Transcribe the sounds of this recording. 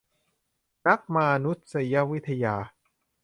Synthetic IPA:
na˦˥k̚ma˧nu˦˥t̪̚sa˧ja˦˥wi˦˥t̪ʰːa˧jaː˧

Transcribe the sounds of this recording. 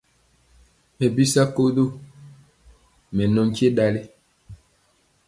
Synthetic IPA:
mɛ˨bi˦sa˦ko˦do˦ | mɛ˨nɔ̃˨ŋ˦ke˦ɗa˨le˦

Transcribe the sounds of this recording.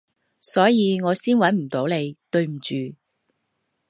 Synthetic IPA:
sɔː˨˥jiː˨˧ŋɔː˨˧siː˥nwɐ˨˥nm̩˨˩t̪o˨˥wle˨˧jt̪ɵ˧ɥm̩˨˩t͡ʃyː˨

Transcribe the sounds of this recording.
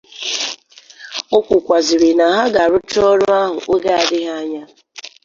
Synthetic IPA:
o˦kʷʊ˨kʷa˨zɪ˨ɾi˨na˨ɦa˦ɡa˨ɾʊ˦t͡ʃɔ˦ɾʊ˦a˦ɦʊ̰˨ʔo˦ɡa˦a˨dɪ˦ɦa˦ɲa˦

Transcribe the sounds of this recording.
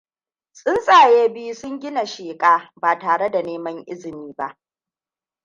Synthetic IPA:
sʼɪ˦nsʼaː˨jeː˦bi˦sʊ˦ŋɡʲɪ˦na˨ʃeː˨kʼaː˦baː˨taː˨ɽe˦da˨neː˦mɐ˦ŋʔɪ˦zɪ˨miː˦ba˦ʔ

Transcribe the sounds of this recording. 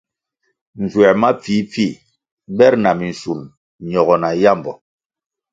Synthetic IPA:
n̩˨zwɛ˨ma˦p͡fi˨˦p͡fi˦˨ | bɛ˦ɾna˨mi˨n̩˨su˨l | ɲɔ˨ɣɔ˨na˨ja˦˨mbɔ˨

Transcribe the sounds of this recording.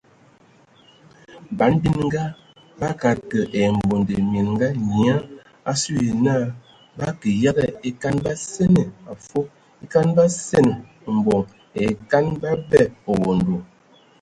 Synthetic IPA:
ba˨˦nbi˦nŋ˦ɡa˦ | ba˦ka˨kə˨ʔɛ˨m̩˨bo˨nde˨mi˨nŋ˦ɡa˦ɲi˨a˦ | a˦su˦je˨na˦˨ | ba˦kə˨ja˦ɣɛ˦˨e˦ka˦nba˦sɛ˦ne˨a˨fo˦ | e˦ka˦nba˦sɛ˦˨n˨ | m̩˨bɔ˨ | ɛ˨ka˦nba˦bɛ˦˨o˨wo˨n˨do˨

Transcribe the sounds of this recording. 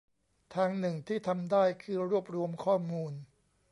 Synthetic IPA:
t̪ʰaː˧ŋnɯ˨˩ŋt̪ʰiː˥˩t̪ʰa˧mdaː˥˩jkʰɯː˧ɾu˥˩əp̚ɾu˧əmkʰɔː˥˩muː˧n

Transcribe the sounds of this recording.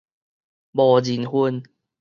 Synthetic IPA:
bɔ˨˩d͡ʑi˨˩nhu˧n

